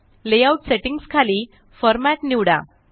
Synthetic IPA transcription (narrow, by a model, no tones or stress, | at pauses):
lejawʈseʈĩŋɡskʰaliː | fəɾmaʈniʋɽa̰